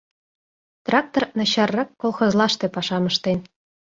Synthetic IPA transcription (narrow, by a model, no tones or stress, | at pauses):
t̪rɑk̚t̪ornɑɕɑrːɑkːolˠχŏzlˠɑʃt̪ĕpɑʃɑmɤ̆ʃt̪en